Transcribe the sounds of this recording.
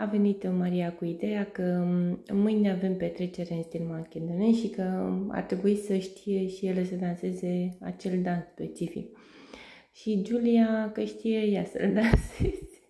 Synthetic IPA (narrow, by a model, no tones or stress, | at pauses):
ave̞nit̪maɾiakuid̪ejakəmɨjneave̞mpe̞t̪ɾe̞t͡ʃe̞ɾeɨnst̪ilmakʲend̪oneʃikəa̰rt̪ɾe̞buisəʃt̪ʰije̞ʃijeləsəd̪anse̞ze̞a̰t͡ʃe̞ld̪ansspe̞̰t͡ʃifḭk̚ | ʃid͡ʒuliakəʃt̪ijejasə̰ld̪ansez̥